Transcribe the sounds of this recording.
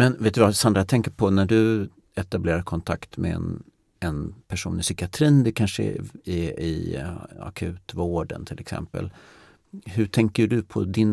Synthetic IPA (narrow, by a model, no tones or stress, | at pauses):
mɛnveːt̪ːəvasand̪ɾat̪ʰɛŋkəɾpʰɔnæɖɵ | ɛt̪ableːɾaɾkʰɔnt̪ʰa̰kt̪mɛ̰ɛ̰n | ɛnpʰæʂṵːnɪsʏːkɪat̪ʰɾiːnd̪ɛkʰanʂəɛ̰ɛɪ̰ | a̰kʰʉ̟̰ːt̪voːɖə̰nt̪ʰɪlɛksɛ̰mpə̰l | ɦɵʈʰɛŋkəɖɵpʰɔ̰d̪ɪn